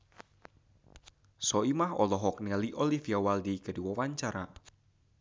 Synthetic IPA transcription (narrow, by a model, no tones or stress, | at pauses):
sɔimahɔ̰lɔɦɔk̚nialiʔolifijawaldiɡ̥ə̤diwɔwaɲt͡ʃaɾa